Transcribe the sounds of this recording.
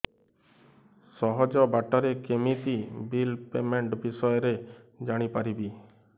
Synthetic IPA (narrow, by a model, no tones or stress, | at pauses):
sɔɦɔd͡ʒɔbaʈɔɾekemit̪ibilpemeɳʈbisɔjɔɾed͡ʒaɽ̃ipaɾibi